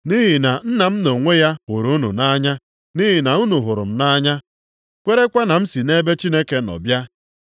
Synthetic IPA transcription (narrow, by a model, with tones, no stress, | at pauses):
ni˦ɦi˨na˨n̩˦na˨m̩˦no˨ŋʷe˦ja˦hʊ˨ɾu˨u˦nṵ˨na˦ɲa˦ | ni˦ɦi˨na˨u˦nu˨ɦʊ˨ɾʊ̰˨m̩˨na˦ɲa˦ | kʷe˦ɾe˦kʷa˦na˨m̩˦si˨ne˦be˦t͡ʃi˦ne˦ke˦nɔ̰˨bja˦